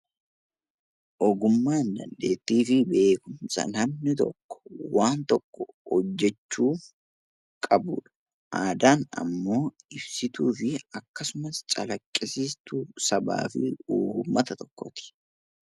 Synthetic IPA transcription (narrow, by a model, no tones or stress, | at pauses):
ʔɔɡʊmːaːnd̪ɐ̰nd̪e̞ːt̪ːiːfɪbe̞ːkʊmsʼɐ̰nɐmnɪt̪ɔ̰kːɔ̥waːnt̪ɔkːɔhɔd͡ʒːɛt͡ʃːuːf | kʼɐbuːᶑɐ̥ | ʔaːd̪aːnɐ̰mːo̞ːɪbsɪt̪uːfɪɐkːɐsʊmɐst͡ʃʼɐlɐkʼːɪsɪst̪uːsɐba̰ːfɪuːhumːɐt̪ɐt̪ɔkːɔt̪ɪ̥